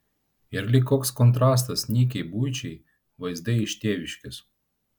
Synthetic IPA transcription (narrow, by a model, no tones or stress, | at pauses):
ɪɾlʲɪkːoɔːkskɔnt̪ɾɑːs̬t̪ɐsnʲiːkʲɛɪbuːjt͡ʃʲɛɪ | ʋɐɪzd̪ɐɪʃʲt̪ʲeːʋʲɪʃʲkʲɪs